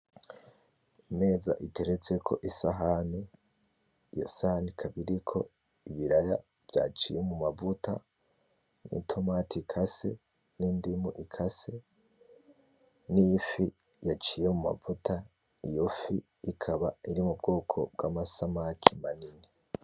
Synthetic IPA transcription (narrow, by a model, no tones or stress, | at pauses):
ime̞ːza̰ʔitʰe̞ɾet͡se̞kʰo̞ʔisaɦani | ijo̰sahanikʰaβiɾikʰo̞̰ | iβiɾaja | v̥ja̰ːt͡ʃijemumavuta̰ | nḭtʰo̞matʰikʰase̞ | niːndimuʔikʰase̞ | nifi | jat͡ʃije̞muma̰vutʰa | ijofi | ikʰaβaiɾimubɡo̞ːkʰo̞̰b̚ɡaːmasamakʰimanini